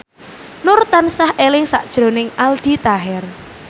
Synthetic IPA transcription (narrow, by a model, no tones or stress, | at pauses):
nʊrt̪ansahʔelɪŋsa̰ʔd̥ʒ̥ɾo̤nɪŋald̥i̤t̪aɦɛr